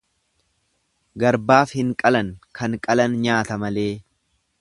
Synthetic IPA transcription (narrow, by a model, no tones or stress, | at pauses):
ɡɐɾbaːfhɪŋkʼɐlɐŋkɐŋkʼɐlɐnɲaːt̪ɐmɐle̞ː